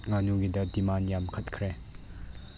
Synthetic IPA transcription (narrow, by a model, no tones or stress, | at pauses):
ŋanuɡidɐdimanjamkʰɐt̚kʰɾɛ